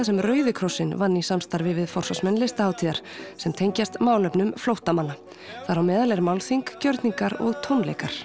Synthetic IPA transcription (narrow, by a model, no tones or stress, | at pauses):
sɛmrœːɥðɪkʰɾɔsːɪnvanːisamst̪aɾvɪvɪðfɔr̥sɔsmɛnlɪst̪ahaːwt̪ʰiːðaɾ̥sɛmt̪ʰejɲcast̪maːwlœpnʏmflowht̪amanːa | θaðɾhawmɛːðalɛɾmaːwlθiŋkcœɾt̪niŋkaɾɔ̰ɣt̪ʰownlḛjkaɾ̥